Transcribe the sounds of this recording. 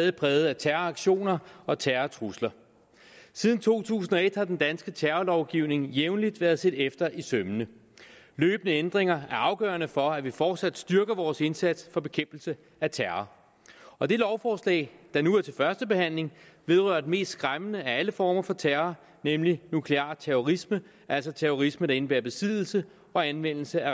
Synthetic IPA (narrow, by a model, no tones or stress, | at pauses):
ɛːðˠipʰʁɛːʊð̞̩ˠæt͡sʰæɐɐɑ̈ɡ̥ɕo̝̰ːnɐɒ̽t͡sʰæɐɐt͡sʰʁuslɐ | siːð̞ˠn̩t͡sʰo̝̰ːt͡sʰṵːsn̩ɒ̽e̝d̥hɑ̈d̥end̥ænsɡ̥ət͡sʰæɐɐlɒʊɡ̥iʊ̰ne̝ŋjeʊnlid̥ʋæːɐð̞̩ˠse̝d̥efd̥ɐʔisømənə | løːb̥ənəend̥ʁeŋɐæɐɑ̈ʊɡ̥œ̰ːɐnəfɒ̽æʋifɒːd̥sæd̥sd̥yɐɡ̥ɐʋɒːse̝nsæd̥sfɒ̽b̥e̝kʰem̰b̥l̩sə | æt͡sʰæɐɐ | ɒ̽d̥e̝lɒʊfɒːslɛ̰ːɪd̥ɑ̈nuæɐt͡sʰe̝lfɶɐsd̥əb̥e̝hæn̰le̝ŋʋe̝ð̞ˠʁœɐ̰d̥eme̝̰ːsd̥sɡ̥ʁamənəææləfɒːmɐfɒ̽t͡sʰæɐɐ | nemlinukʰle̝ɑ̰̈ːt͡sʰeɔʁismə | ʔæl̰sɒ̽t͡sʰæɐoʁisməd̥ɑ̈e̝nb̥æɐ̰b̥e̝siðˠl̩sə | ɒ̽ænʋen̰l̩səæ